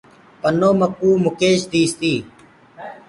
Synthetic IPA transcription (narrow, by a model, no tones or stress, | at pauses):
pənoːməkuːmʊkeːʃd̪iːst̪iː